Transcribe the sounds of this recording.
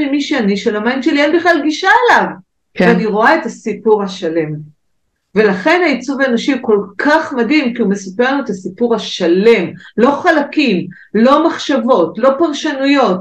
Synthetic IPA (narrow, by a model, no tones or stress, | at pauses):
emiʃeaniʃelamajimʃelienbiχlalɡiʃaelav | kveaniʁo̞ae̞tasipuʁhaʃale̞m | ve̞laχe̞nait͡suvaenoʃiko̞lkʰaχmadhimkiume̞sapeʁnuetasipuʁhaʃale̞mlo̞χalakim | lo̞maχʃavo̞tlo̞paʁʃanujo̞t̚